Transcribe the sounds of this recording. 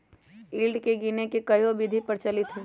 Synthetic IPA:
iːlɖkeɡinekekɐjõbɪd̪ʱipɐɾt͡ʃɐlɪt̪ɦeː

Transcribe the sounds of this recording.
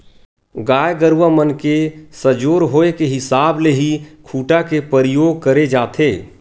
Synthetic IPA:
ɡaːjɡəɾwəmənkesəd͡ʒoːɾɦoːekeɦɪsaːbleɦikʰuːʈakepəɾəjoːɡ̚kəɾed͡ʒaːt̪ʰeː

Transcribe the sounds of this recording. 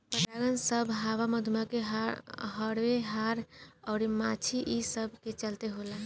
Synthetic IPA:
pət̪aɡənsəbʱɦawaməd̪ʱmakeɦɦəɾweɦaɾɔːɾimat͡ʃʰiʔisəbʱket͡ʃəlt̪eɦolə

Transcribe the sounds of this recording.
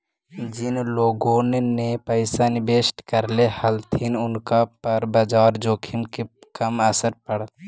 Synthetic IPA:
d͡ʒɪnloːɡõːnenepəɪsanɪbeːsʈkəɾlehəlt̪ʰinʊnkapəɾbad͡ʒaːɾd͡ʒoːkʰimkekəməsəɾpəɽət̪

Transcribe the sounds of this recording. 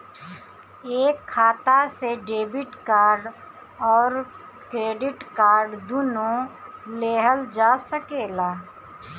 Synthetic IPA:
eːkʰːaːt̪aseɖeːbɪʈkaːɾɖ | ɔːɾ | kɾeːɖɪʈkaːɾɖd̪uːnõleːɦəld͡ʒaːsəkeːlaː

